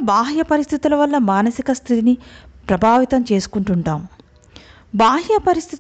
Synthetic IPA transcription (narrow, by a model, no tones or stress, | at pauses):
baːɦjɐpɐɾist̪ʰit̪ulɐʋɐlːɐmaːnɐsikɐst̪ʰit̪inipɾɐbʱaːʋit̪ɐmt͡ʃe̞ːsu̥kuɳʈuɳʈaːm | baːɦjɐpɐɾist̪ʰit̪